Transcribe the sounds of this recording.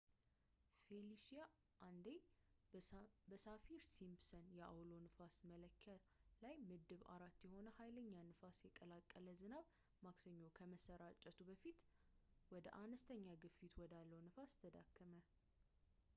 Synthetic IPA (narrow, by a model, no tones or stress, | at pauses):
feliʃija | ʔand̪ej | bəsafiɾsimpsənjɛʔa̰wlo̞nɨfasmələkʰːəlajmɨd̪ɨβa̰ɾat̪ːjɛho̞nəhajləɲːanɨfasjɛkʼəlakʼːələzɨnaβ | maksəɲːo̞kʰəməsəɾat͡ʃʼːət̪ʰubəfit̪wɔd̪ə̰ʔanəst̪ʰəɲːaɡɨfit̪ʰwɔd̪alːəwnɨfast̪ʰəd̪a̰kːəmə